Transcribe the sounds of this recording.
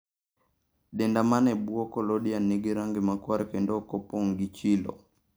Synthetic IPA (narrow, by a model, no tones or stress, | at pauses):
ɗɛndamanɛbuɔkɔlɔɗianːiɡiɾaŋɡimakwaɾkɛndɔkɔpɔŋɡit͡ʃilɔ̰